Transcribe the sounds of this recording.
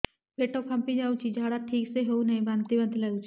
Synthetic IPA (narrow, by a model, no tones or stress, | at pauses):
leːʈokʰɐ̃mpid͡ʒaːut͡ʃʰid͡ʒʱaːɽaʈʰiːkseɦeunɐɦĩbãːnt̪ibənd̪ʱlɐut͡ʃʰ